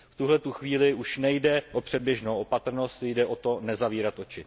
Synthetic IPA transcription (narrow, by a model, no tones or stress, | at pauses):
ft̪uɦlɛt̪uxviːlɪʔuʃnɛjdɛʔo̞pr̝̥ɛd̚bjɛʒnowʔopat̪r̩no̞st̪jdɛʔo̞t̪o̞nɛzaviːɾat̪ʔo̞t͡ʃɪ